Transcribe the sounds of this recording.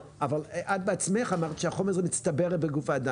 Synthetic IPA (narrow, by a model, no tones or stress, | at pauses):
avalʔad̪̚beat͡smeχamaʁt̪i̥ʃɛaχomɛʁzɛmit͡st̪abeʁɛtbeɡufaːd̪a